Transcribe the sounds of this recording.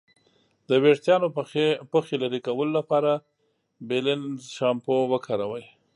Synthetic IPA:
d̪əweɽt̪jɑnopəxelaɾikawəlolapɑɾa | bɪlɪnʃɑmpowəkʰɑɾawəj

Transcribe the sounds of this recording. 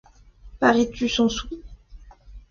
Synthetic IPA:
paʁet̪ʰysɔ̃si

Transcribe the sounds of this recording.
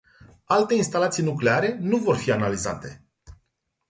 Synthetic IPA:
alt̪e̞inst̪alat̪sijnukle̞aɾe̞nuvo̞rfianalizat̪e̞

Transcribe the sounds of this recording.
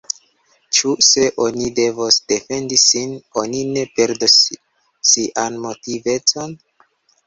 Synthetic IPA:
t͡ʃuse̞ʔo̞nide̞vosd̥e̞fe̞ndisino̞nine̞pe̞ɾdosː | iʔanmo̞tive̞t͡so̞n

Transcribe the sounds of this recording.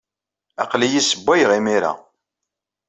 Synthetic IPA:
æqlijisəbːæjʁimiɾa̰

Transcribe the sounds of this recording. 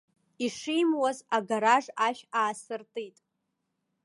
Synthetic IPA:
iʂijmwazaɡaɾaʐaʃᶣaːsɨrtʼijtʼ

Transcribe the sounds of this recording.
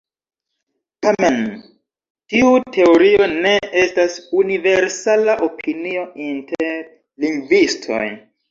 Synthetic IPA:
tame̞n | tiutʰe̞o̞ɾio̞ne̞e̞stasunive̞ɾsalaʔo̞pʰinio̞inteɾ | liŋɡvistʰo̞̰j

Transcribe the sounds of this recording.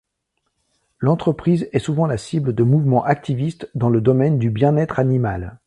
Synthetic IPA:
lɑ̃t̪χəpχizɛsuvɑ̃lasibləd̪əmuvmɑ̃ʔak̚t̪ivist̪d̪ɑ̃ləd̪ɔmɛnd̪ybjɛ̃nɛt̪χanimal

